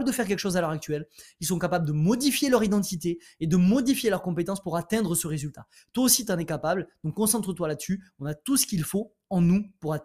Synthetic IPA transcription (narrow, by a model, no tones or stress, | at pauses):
bləd̪əfɛʁk̬ʲɛlkə̥ʃozalœʁak̚t̪ɥɛlilsɔ̃kapabləd̪əmɔd̪ifjelœʁid̪ɑ̃t̪it̪e | ed̪əmɔd̪ifjelœʁkɔ̃pet̪ɑ̃spuʁat̪ɛ̃d̪ʁəsəʁezylt̪a | t̪waosit̪ɑ̃nɛkapabld̪ɔ̃kɔ̃sɑ̃t̪χət̪walad̪əsyɔ̃nat̪usə̥kʲilfo | ɑ̃nupuʁa